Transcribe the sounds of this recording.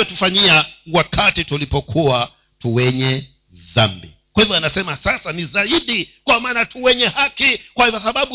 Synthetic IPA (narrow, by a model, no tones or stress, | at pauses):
ɛtufaɲiawakʰatitulipɔkʰua | tuwɛɲɛ | ðambḭ | kwahivjɔanasɛmasasanizaiɗikwamaːnatʰuwɛɲɛhakikwahivas̬aɓaɓu